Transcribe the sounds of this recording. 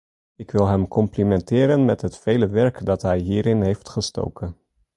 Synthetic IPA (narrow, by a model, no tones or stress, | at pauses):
ɪkʋɪlˠɦɛmkʰɔmplimɛntɪːɾənmɛtɦətfejləʋɛɹkdɑtɦɛjɦiːɾɪnɦejftχəsto̰wkən